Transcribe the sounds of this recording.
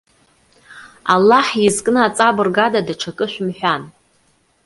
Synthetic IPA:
a̰lːaħjizkʼnɨat͡sʼabɨrɡadadaʈ͡ʂʰakʼɨʃʷᶣʊmħʷᶣan

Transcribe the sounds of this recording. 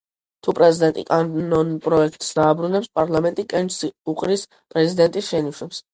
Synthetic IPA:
t̪ʰupʼɾɛzid̪ɛnt̪ʼḭkʼanɔnpʼɾɔɛkʰt̪ʼsd̪aːbɾunɛpspʼaɾlˠamɛnt̪ʼikʼɛnt͡ʃsiuqʼɾis | pʼɾɛzid̪ɛnt̪ʼisʃɛniʃwɛps

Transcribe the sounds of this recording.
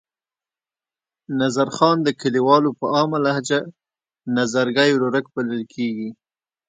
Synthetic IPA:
nazaɾxɑnd̪əkɪliwɑlopəɑmalahd͡ʒa | nazaɾɡajwɾoɾək̚baləlkʰeɡi

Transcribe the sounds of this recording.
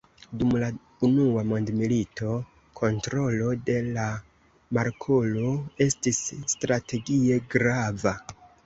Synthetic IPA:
dumla | unuamo̞ndmilito̞ | kʰo̞ntɾo̞lo̞de̞la | maɾkʰo̞lo̞e̞stisːtɾate̞ɡie̞ɡɾava

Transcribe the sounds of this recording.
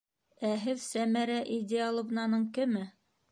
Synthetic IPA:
æɦɘðsæmæɾæʔid̪ʲeɑlˠɤ̆vnɑnɤɴkɘ̆mɘ

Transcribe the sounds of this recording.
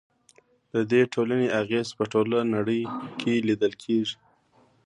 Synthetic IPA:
d̪̥əd̪eʈʰolaneaɣezpəʈolanaɽəjkʰelid̪əlkʰeʐi

